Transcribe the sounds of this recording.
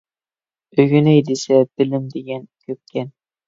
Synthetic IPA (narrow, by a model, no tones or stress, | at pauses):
ɵɡynæjd̪esæb̥ɪlɘmd̪eɡʲænkʲʰɵp̚kʲæn